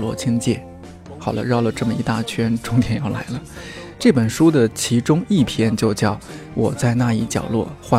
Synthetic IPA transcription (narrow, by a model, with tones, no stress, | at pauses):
lwɔ̰˥˩t͡ɕʰi˥ŋt͡ɕjɛ˥˩ | xɑ˨˩ʊlə̰˦ɻɑ˥˩ʊlə˩ʈ͡ʂɤ˥˩mə˩i˧˥t̪a˥˩t͡ɕʰɥɛ˥nʈ͡ʂʊ˥ŋt̪jɛ˨˩njɑ˥˩ʊla̰˧˥ɪlə˧ | ʈ͡ʂɤ˥˩pə˨˩nʂu˥d̪ə˨t͡ɕʰi˧˥ʈ͡ʂʊ˥ŋi˥˩pʰjɛ˥nt͡ɕjo˥˧ʊt͡ɕjɑ˥˩ʊwʔɔ˨˩t͡sa˥˧ɪna˥˧i˥˩t͡ɕjɑ̰˨˩ʊlwɔ̰˥˧xwa˥˧